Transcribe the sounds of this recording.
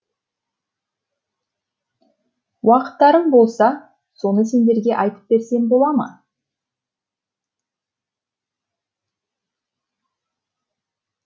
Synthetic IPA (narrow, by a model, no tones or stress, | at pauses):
wʔɑqə̥t̪ːɑɾəɴbo̞lˠsɑ | so̞nəse̞nd̪e̞ɾɡʲe̞ʔɑjt̪ə̥p̚be̞ɾse̞ŋbo̞lˠɑmɑ̰